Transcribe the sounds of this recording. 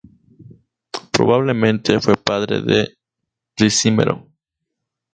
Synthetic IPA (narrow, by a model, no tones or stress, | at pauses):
pɾo̞̰βaβle̞mẽnt̪ʰefwe̞paðɾḛðe | risimḛɾʔo̰